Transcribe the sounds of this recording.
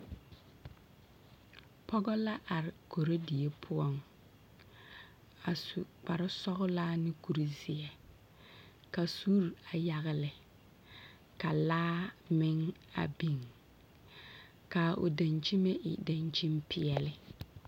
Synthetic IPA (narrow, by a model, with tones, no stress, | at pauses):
pɔ˦ɡɔ˦la˦ʔa˨ɾɪ˨ko˨ɾo˦di˨e˦pʰʊ˦ɔ˦ŋ | a˨sʊ˨k͡pa˨ɾɪ˦sɔ˦ɣʊ˦laː˦nɪ˦ku˨ɾi˨zɪ˨ɛ˨ | ka˨su˦ɾa˨ja˨ɣɪ˨lɪ˨ | ka˨laː˦mɪ˦ŋa̰˨bi˨ŋ | ka˨ʔo̰˨da˨nt͡ʃi˦me˦ʔɪ̰˨da˨nt͡ʃi˦mpɪ˦ɛ˨lɪ˨